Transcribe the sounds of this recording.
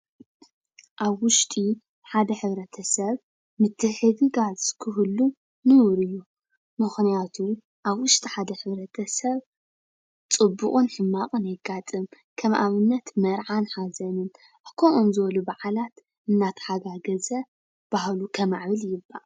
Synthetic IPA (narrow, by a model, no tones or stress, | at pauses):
ʔaβwʊʃt̪ʼi | ħad̪ɐħɨβɾɐt̪ʰɐsɐβ | mɨt̪ʰːɨħɨɡɨɡazkʰɨhɨlːu | nɨwɾɨjːu | mɨxnijat̪ʰu | ʔaβwʊʃt̪ʼiħad̪ɐħɨβɾɐt̪ʰɐsɐβ | t͡sʼɨbːuχʼunħɨmːaqʼɨnjɛɡat̪ʼɨm | kʰɐmʔaβɨnːɐt̪mɐɾʕanħazɐnɨn | kʰoʔomzɨβɐlubaʕalat̪ | ʔɨnːat̪ʰħaɡaɡɐzɐ | b̥ahlukʰɐmaʕβɨljɪbːa̰ʔ